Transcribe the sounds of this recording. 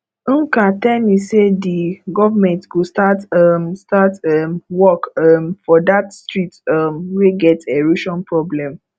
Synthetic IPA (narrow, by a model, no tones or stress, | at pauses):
katɛlmisediɡɔvamɛ̃ntɡostatamstatɛmwɔkmfɔdatstɹitamweɡɛteɹiʃɔ̃npɹɔblɛ̃m